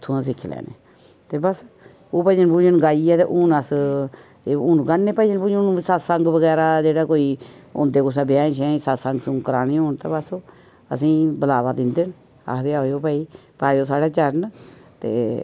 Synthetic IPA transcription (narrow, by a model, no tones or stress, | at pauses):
t̪ʰːuãːs̬ɪkʰːlɛ̰ːnḛː | t̪eːbəs | oːpəd͡ʒənpuːd͡ʒənɡaːiɛːt̪ḛːʔʊːnəs | eːʊːnɡanːeːpəːid͡ʒənpuːd͡ʒnːsasəŋɡʋəɡɛːɾaːd͡ʒeːɽaːkoːiːʊ̰̃nd̪eːkʊs̬ãːbjaːʃɛ̃ːsaːt̪səŋɡsʊŋkəɾaːnĩːoːnt̪a̰ːbəsoː | ə̰sĩːbəlaːʋaːd̪ɪnd̪en | a̰ːkd̪eːaooːpaːiːpaːjoːsaːɽaːt͡ʃəɾnt̪ḛː